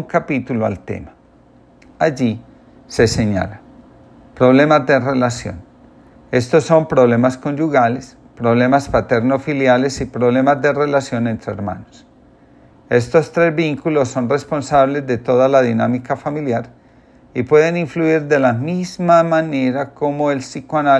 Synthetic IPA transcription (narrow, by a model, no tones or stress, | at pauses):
ŋkapit̪uloa̰lt̪ḛma | ad͡ʒi | se̞se̞ɲa̰la | pɾo̞β̞le̞mazd̪e̞re̞lasjo̞̰n | e̞st̪o̞sːo̞mpɾo̞βle̞maskõ̞nd͡ʒuɣale̞s | pɾoβle̞maspat̪eɾno̞filjale̞sipɾoβle̞mazd̪e̞re̞lasjo̞nẽ̞nt̪ɾḛɾmã̰nos | e̞st̪o̞st̪ɾe̞zbiŋkulosːo̞nre̞spo̞nsaβle̞zðe̞t̪o̞ðalaðinamikafamiljaɾ | ipwe̞ðe̞niɱfluiɾd̪e̞lamizmamane̞ɾako̞moe̞lsikwana